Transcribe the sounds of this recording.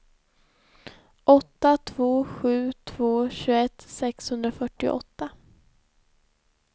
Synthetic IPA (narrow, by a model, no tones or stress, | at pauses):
ʔɔt̪ːat̪ʰv̥oːɧʉ̟ːt̪ʰv̥oːɕʉːɛt̪sɛkshɵnd̪ɾafœʈːɪ̰ʔɔ̰t̪ːa